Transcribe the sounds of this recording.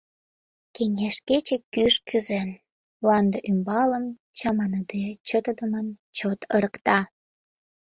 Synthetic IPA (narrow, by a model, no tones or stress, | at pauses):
keŋeʃket͡ɕekːyʃkyzen | βlɑnd̪əʔymbɑləm | t͡ɕɑmɑnəd̪et͡ɕət̪əd̪əmənt͡ɕot̪əɾəkt̪ɑ